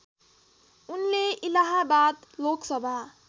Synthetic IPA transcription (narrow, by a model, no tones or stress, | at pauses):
unleilaɦabat̪loksʌbʱa